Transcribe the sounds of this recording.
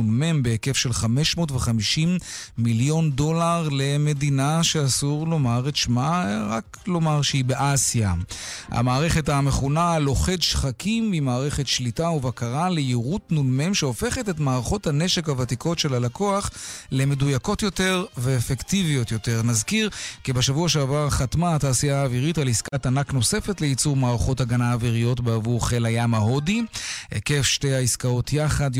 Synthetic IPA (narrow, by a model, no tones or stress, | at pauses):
ulmembeeke̞fʃe̞lχame̞ʃmotveχamiʃimːiljo̞ndo̞laʁle̞me̞dinaʃeasuʁlo̞maʁetʃmaʁak | lo̞maʁʃeibeʔasija̰ha̰maːʁe̞χe̞thame̞χunalo̞χedʃχakimːimaːʁe̞χe̞tʃlitauvakaʁalejiʁutnulmemʃeo̞fe̞χetetmaːʁaχo̞thane̞ʃe̞khavatikʰo̞tʃe̞lalako̞aχleme̞dujako̞tjo̞te̞ʁveːfektivijo̞tjo̞te̞ʁnazkiʁkibeʃavuaʃeavaʁχatmaataːsijaːviʁitaliskatanakno̞se̞fe̞tleit͡suʁmaːʁaχo̞taɡanaːviʁijo̞tbeavuʁχelajamaɦodiḛkefʃtejaiskao̞tʰjaχad